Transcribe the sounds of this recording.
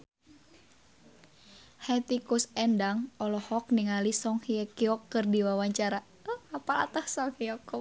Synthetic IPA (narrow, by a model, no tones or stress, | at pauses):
hɛt̪ikusɛndaŋɔlɔhɔk̚niŋalisɔŋhiɛkiɔkːɨrdiwawaɲt͡ʃaɾa | apala̰t̪ahsɔŋhiɔkɔ